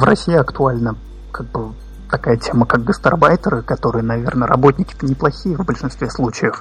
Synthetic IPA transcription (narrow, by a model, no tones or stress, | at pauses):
vrɐsʲijɪɐkt̪ʊalʲnə | kaɡ̚bɨ | t̪ɐkajətʲe̞məkak̚ɡəst̪ɐ̰rbajt̪ʲəɾɨkɐt̪o̞ɾɨjənɐvʲe̞̰rnəɾɐ̰bo̞tʲnʲɪkʲɪ̥t̪ənʲɪplˠɐxʲijəvbəlʲʂɨnst̪vʲeslˠut͡ɕɪjəf